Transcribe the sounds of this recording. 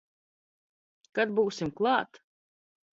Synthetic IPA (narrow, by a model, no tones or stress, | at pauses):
kad̪̚buːsimklˠɑːt̪